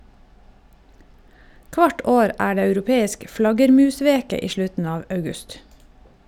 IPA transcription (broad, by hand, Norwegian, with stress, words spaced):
ˈkʋɑʈ ˈoːɾ ˈæː ˈɖeː ɑʉɾʊˈpeːɪsk ˈflɑɡəɾˌmʉːˌsʋeːkə ˈiː ˈʃlʉtn̩ ˈɑːʋ ɑʉˈɡʉst